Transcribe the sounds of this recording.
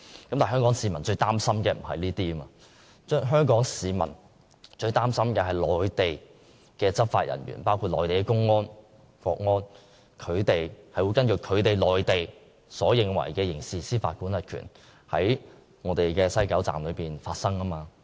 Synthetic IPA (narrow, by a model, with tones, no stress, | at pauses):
kɐ˨˦mtaː˨˩ɦœː˥ŋkɔː˨˥ŋsiː˨˧mɐ˨˩nt͡ʃɵ˧ɥt̪aː˥msɐ˥mkɛː˧m̩˨˩hɐ˨jliː˥t̪iː˥maː˧ | t͡ʃœː˥ŋɦœː˥ŋkɔː˨˥ŋsiː˨˧mɐ̰˨˩n | t͡ʃɵ˧ɥt̪aː˥msɐ˥mkɛː˧hɐ˨jlɔː˨jt̪e˨j | kɛː˧t͡sɐ˥p̚faː˧t̚jɐ̰˨˩nɥy̰ː˨˩npaː˥wkʰu˧t̚lɔ̰ː˨˩jt̪e˨jkɛ˧kʊ˥ŋːɔː˥n | fɔː˧k̚ŋɔː˥n | kʰɵ˨˧ɥt̪e˨jhɐ˨jwu˨˧jkɐ˥nkɵ˧kʰɵ˨˧ɥt̪e˨jlɔː˨jt̪e˨j | sɔː˨˥jɪ˨ŋwɐ̰˨˩jkɛː˧jɪ˨˩ŋsiː˨˩siː˥fa̰ː˧t̚kuː˨˥nlɐ˨˧t̚kʰy̰ː˨˩n | hɐ̰˨˥j | ŋɔː˨˧˥t̪e˨˩jkɛː˧sɐ˥jkɐ˨˥wt͡sa̰ː˨mlɵ˨˧ɥpiː˨˩nfaː˧t̚sɐ˥ŋɐ˥maː˧